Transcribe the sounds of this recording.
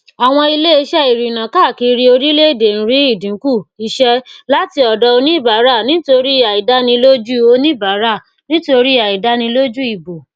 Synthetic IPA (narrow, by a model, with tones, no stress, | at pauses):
a˨w̃ɔ̃˧i˧le˦e˦˧˦ʃɛ˦i˨ɾi˨nã˨ka˦˨ki˧ɾi˧o˧ɾi˦le˦˨de˨n̩˦ɾi˨˦i˦˨dĩ˨˦ku˦˨i˧ʃɛ˦la˦ti˧ɔ˨dɔ˧o˧nĩ˦i˦˨ba˨˦ɾa˦˨nĩ˨˦to˧ɾi˦i˦˨a˨i˨da˦nĩ˧lo˦d͡ʒu˦o˧nĩ˦i˦˨ba˨˦ɾa˦˨ | nĩ˦to˧ɾi˦a˨i˨da˦nĩ˧lo˦d͡ʒu˦i˨bo˨